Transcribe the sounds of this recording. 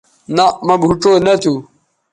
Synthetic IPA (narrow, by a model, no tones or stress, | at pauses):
namɐbʱuʈ͡ʂoːnɐt̪ʰu